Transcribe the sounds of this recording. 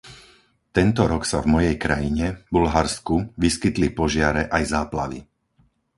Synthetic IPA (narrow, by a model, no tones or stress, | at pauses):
t̪ɛnt̪ɔɾɔksavmɔjɛjkɾajiɲɛbulɦaɾskuʋiskit̪lipɔʒɪaɾɛʔajzaːplaʋḭ